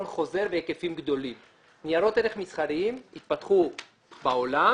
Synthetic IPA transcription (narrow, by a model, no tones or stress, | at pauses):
nχo̞ze̞ɾveekefimɡd̪o̞lim | nijaɾo̞t̪eɾeχmisχaɾiimit̪̚pat̪χu | baola